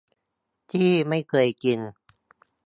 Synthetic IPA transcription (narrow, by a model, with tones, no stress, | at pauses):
t̪ʰiː˥˩ma˥˩jkʰɤː˧jki˧n